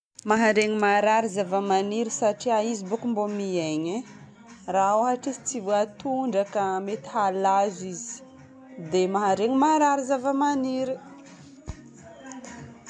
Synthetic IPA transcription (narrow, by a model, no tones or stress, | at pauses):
maɦaɾeŋimaɾaɾizavəmaniɾisaʈ͡ʂiaizibukumbomieɲe | raoaɦaʈ͡ʂisi̥t͡sivoat̪uɳɖ͡ʐakəmet̪i̥halazizi̥ | d̪emaɦaɾeŋimaɾaɾizavəmaniɾi